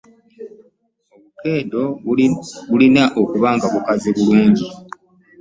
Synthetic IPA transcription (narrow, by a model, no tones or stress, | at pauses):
o̞βuke̞ːdo̞ | βulinaʔo̞kuβaːŋɡaβukaziβuluːɲɟi